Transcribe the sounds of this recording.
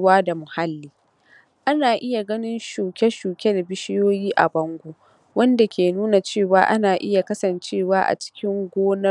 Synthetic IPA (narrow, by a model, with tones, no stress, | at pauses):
waː˦da˨mʊ˨ha˦lːiː˦ | ʔa˦naː˨ʔɪ˦ja˨ɡɐ˦nɪ˦nʃuː˨kʲɛ˦ʃuː˨kʲɛ˦dbɪ˦ʃɪ˦joː˦jiː˦ʔa̰˨bɐ˦ŋɡʷo˦ | wɐ˦nda˨kʲeː˨nuː˦na˨t͡ʃeː˦˨waː˦ʔa˦naː˨ʔɪ˦ja˨kɐ˦sɐ˨nt͡ʃeː˦˨waː˦ʔa̰˨t͡ʃɪ̥˦kʲɪ˦ŋɡʷoː˦nɐ˦